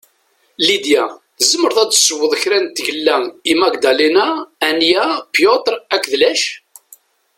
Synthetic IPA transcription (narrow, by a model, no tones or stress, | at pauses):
lid̪jæ | zəmːəɾðˤæd̪səwːəðˤəçɾænt̪ːʝəlːæimæɡd̪ælinæænjæpjot̪ɾækːðlæʃ